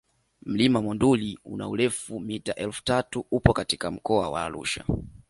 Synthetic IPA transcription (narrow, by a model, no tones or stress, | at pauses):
m̩limamɔnduliṵna̰ulɛfumitaʔɛlfu̥tatuupɔkatikam̩kɔawa̰ːlṵʃa̰